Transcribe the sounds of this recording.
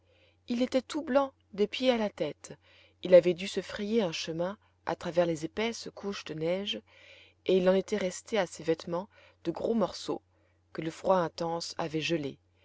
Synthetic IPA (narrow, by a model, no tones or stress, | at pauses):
ilet̪ɛt̪ublɑ̃ | d̪epjealat̪ɛt̪ | ilavɛd̪ysəfχejeɛ̃ʃəmɛ̃ | a̰t̪χavɛʁlezepɛskʰuʃd̪ənɛʒ | eilɑ̃net̪ɛʁɛst̪easevɛt̪mɑ̃ | d̪̥əɡʁomɔʁso̰ | kələfχwaɛ̃t̪ɑ̃sa̰vɛʒəlḛ